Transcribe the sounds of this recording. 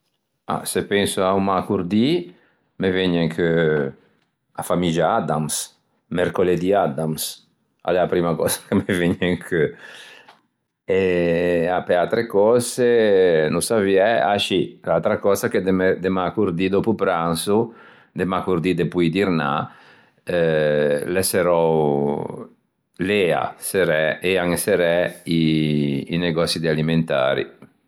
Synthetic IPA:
a̰sepɛnsuaumakuɾd̪i | meveɲeŋkʰø | afamid͡ʒaad̪ams | mɛɾkoled̪iad̪ams | a̰lɛapɾimakɔzḁkemeveɲeŋkʰø | e | apeat̪ɾekɔsenusaviɛa̰ʃilalt̪ɾakɔːzaked̪emed̪emakuɾd̪id̪ɔpupɾansu | d̪emakuɾd̪id̪epujd̪iɾna̰ | lɛseɾɔw | lɛa̰seɾɛeaŋeseɾɛiː | neɡɔsid̪ialiment̪a̰ːɾḭ

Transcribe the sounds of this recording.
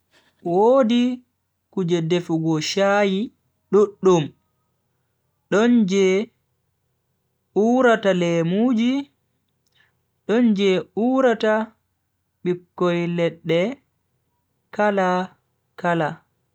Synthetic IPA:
woːdi | kud͡ʒɛdefuɡɔʃaji | ɗuɗːum | ɗɔnd͡ʒɛ | uɾatalɛmud͡ʒi | ɗɔnd͡ʒɛuːɾata | ɓikːɔjlɛɗːɛ | kala | kala

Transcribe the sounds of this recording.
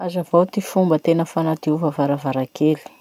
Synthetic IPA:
azavowt̪ifumbət̪enəfanat̪iuvavaɾavaɾakʰeli̥

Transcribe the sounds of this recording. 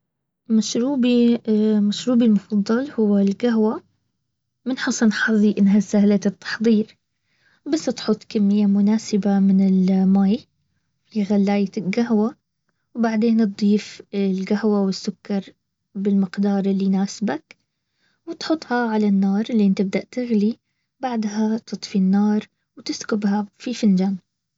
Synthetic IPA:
maʃɾuːbimaʃɾuːbilmʊfɑðˤːɑlhʊwːalɡaɦwa | mɪnħɑsˤɑnħɑðˤiʔɪnːɦasahlat̪ɨt̪ːɑ̥ħðˤiːɾ | basːt̪ħʊt̪ˤːkamːɪjːamʊnaːsɪbamɪnɪlmaːj | liɣalːaːjat̪ɪlɡaɦwa | wbaʕd̪eːn̚d̪ˤiːfɪlɡahwawɪsːʊkːɑɾˤ | bɪlmɪqd̪ɑːɾˤɪlːinaːsbak | wɪt̪ħʊt̪ˤːhɑʕalanːɑːɾˤɪlːiʔɪnt̪ɪb̚d̪aʔt̪ɪɣli | baʕd̪ɦat̪ʰɨt̪ˤfinːɑːɾˤ | wt̪ɪskʊbhafifand͡ʒaːn

